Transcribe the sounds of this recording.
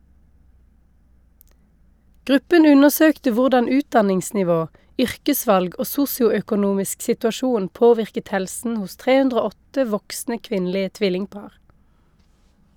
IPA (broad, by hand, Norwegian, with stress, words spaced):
ˈɡʁʉpən ˈʉnəʁˌsøːktə ˈʋʊʁdɑn ˈʉːtdɑnɪŋsnɪˌʋoː ˈʏʁkəˌsʋɑlɡ ˈoː ˈsʊsjʊœkʊˌnuːmɪsk sɪtʉɑˈʃuːn ˈpoːʋɪʁkət ˈhɛlsn̩ ˈhʊs ˈtʁeː ˈʉndʁ ˈoː ˈɔtə ˈʋɔksnə ˈkʋɪnlɪə ˈtʋɪlɪŋˌpɑːʁ